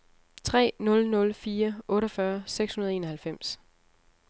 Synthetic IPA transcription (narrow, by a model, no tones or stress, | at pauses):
t͡sʰʁɛ̰ːnɔ̽lnɔ̽lfiːɐʔɔ̽ːɾɐfɶɐseɡ̥shunɐð̞̩ˠe̝ːnɒhælfem̰s